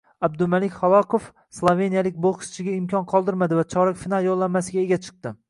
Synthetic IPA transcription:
ab̚d̪ʊmalɪkʲχɒvɒqʰof | slˠove̞nijalɪk̚ʲboχʃt͡ʃʰɪɡʲaɪmkʲʰɒnqʰɒlˠd̪ɪɾmad̪ɪvat͡ʃʰɒɾakʲfɪnalˠjolˠːanmasɪɡʲae̞ɡʲat͡ʃʰɨ̥q̚t̪ɪ

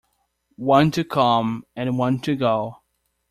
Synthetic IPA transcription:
wʌ̃ntʰɨkʰʌ̃mɨ̃nwʌ̃ntʰɨɡoʊ

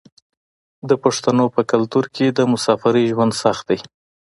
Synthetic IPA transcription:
d̪əpaʂt̪anopəkalt̪uɾkʰed̪əmʊsɑfaɾəʒwand̪saxt̪̚d̪aj

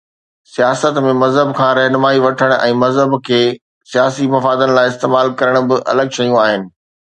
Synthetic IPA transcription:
sijaːsət̪mẽmɐzɦəbkʰãːɾɛɦnʊmaːiʋɐʈʰəɽ̃ʔɛ̃ːmɐzɦəbkʰeː | sijaːsimɐfaːd̪ənɪ̆laːɪɪst̪eːmaːlkɐɾəɽ̃̆bɪʔɐ̰ləɡʃɐjũaːɦɪnɪ̆

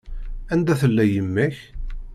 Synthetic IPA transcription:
ænd̪æθəlːæjəmːæç

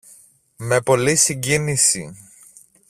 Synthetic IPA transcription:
me̞po̞lisiɲɟinisi

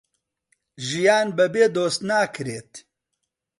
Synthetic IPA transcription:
ʒijaːnbɛbeːd̪oːst̪naːkʰɨɾeːt̪

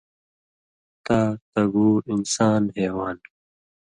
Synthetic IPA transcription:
t̪aːt̪ɐɡuːinsaːnɦeːwaːn

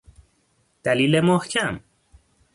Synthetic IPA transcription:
d̪̥æliːlemohcʰæm

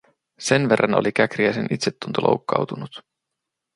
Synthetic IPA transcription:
se̞nʋe̞rːɑno̞̰likækriæsenʔit̪set̪ːunt̪ulʔo̰wkːɑwt̪unut̪

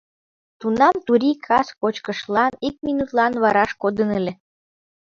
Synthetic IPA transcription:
t̪unɑmt̪uɾikʰɑskot͡ɕkəʃlɑnik̚minut̪lɑnβɑɾɑʃkod̪ənəlʲe

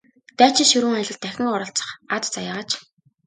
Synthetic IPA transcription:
t̪æːt͡ɕɪ̆ʃɵɾuːŋajɮʲɪ̆k̚t̪ːæxʲɪ̆ŋʊɾə̆ɬt͡sə̥̆χat͡s̪t͡sajaːʁaːt͡ɕ

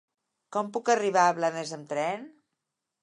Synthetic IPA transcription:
kɔmpukəriβaəβlanəzəmt̪ɾɛn

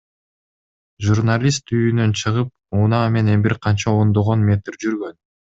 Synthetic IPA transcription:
ʒurnalʲist̪yjynø̞nt͡ʃʰɯʁɯp̚unɑme̞ne̞nbiɾqʰɑnt͡ʃɑond̪oʁonmʲe̞t̪rd͡ʒyɾɡø̞n

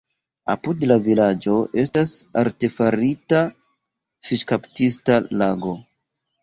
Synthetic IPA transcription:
a̰pudlavilad͡ʒo̞ʔe̞stasaɾte̞faɾita | ʃiʃkaptistalaɡo̞

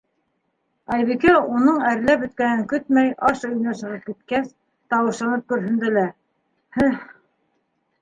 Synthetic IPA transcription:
ɑjβikæunɤɴæɾlæpɵ̆t̪̚kænɘŋkɵt̪̚mæjɑʃɵ̆jnɑʃɤ̆ʁɤp̚kit̪̚kæs | t̪ɑwɤ̆ʃlˠɑnɤp̚kɵ̆ɾɦɵ̆nd̪ælæ | hæ

